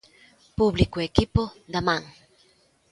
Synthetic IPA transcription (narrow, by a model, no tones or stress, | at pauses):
puβlikoekipoðamãŋ